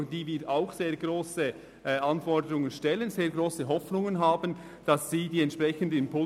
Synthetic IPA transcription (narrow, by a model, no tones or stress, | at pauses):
d̥iːviːaʊxseːɐɡʁoːsə | ɑnfɔdəɾʊŋənʃtɛlənzeːɐɡroːsəɦɔfnʊŋənɦaːbən | d̥ɑsːiːdiːɛntʃpʁ̥ɛçən̩dəɪnmpʰʊ